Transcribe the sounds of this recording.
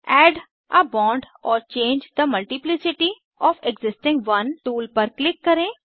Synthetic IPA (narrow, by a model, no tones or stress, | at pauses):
ɛːɖ | ʔɐbɔ̃ːɳɖ | ɔːɾt͡ʃẽːnd͡ʒd̪əmɐlʈiplɪsɪʈi | ɔːfeɡzɪsʈɪ̃ŋɡʋɐnʈuːlpɐɾklɪkːɐɾẽː